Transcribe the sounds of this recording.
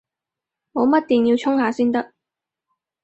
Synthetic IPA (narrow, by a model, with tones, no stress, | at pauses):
ŋɔː˨˧mɐ˥t̚t̪iː˨njiː˧wt͡sʰʊ˥ŋhaː˨˧siː˥nt̪ɐ˥k̚